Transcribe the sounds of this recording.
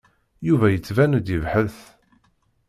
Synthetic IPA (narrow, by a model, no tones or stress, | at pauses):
juvæjət͡sːvænd̪əvħəθ